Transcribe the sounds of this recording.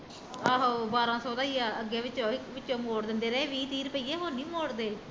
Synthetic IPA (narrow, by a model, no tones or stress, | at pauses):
aːɦoːbaːɾãːsɔːd̪aːiːaːəɡeːʋɪt͡ʃõːɪkʋɪt͡ʃːõːmoːɽd̪ɪnd̪eːɾeːʋiːt̪iːɾpəiːeːɦoːnĩːmoːɽd̪eː